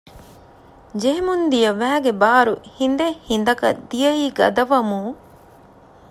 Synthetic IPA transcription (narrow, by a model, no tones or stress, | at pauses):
d͡ʒeɦemund̪ijɐʋæːɡebaːɾuhind̪ehind̪ɐkɐ̰d̪ijɐiːɡɐ̰d̪ɐʋɐmuː